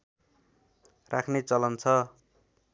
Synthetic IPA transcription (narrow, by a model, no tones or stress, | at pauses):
rʔakʰnet͡sʌlʌnt͡sʰʌ